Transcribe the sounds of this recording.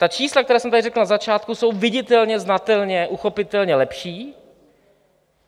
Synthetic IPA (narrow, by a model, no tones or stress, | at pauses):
t̪at͡ʃiːslakt̪ɛɾɛːsɛmt̪adɪrɛkl̩nazat͡ʃaːt̪kuso̞wvɪɟɪt̪ɛlɲɛznat̪ɛlɲɛʔuxo̞pɪt̪ɛlɲɛlɛpʃiː